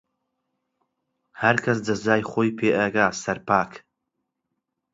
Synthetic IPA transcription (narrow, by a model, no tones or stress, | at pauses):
hɐɾkʰɐsd̪ɐzzaːjχʷoːjpʰeːʔɛɡaːsɐɾpaːk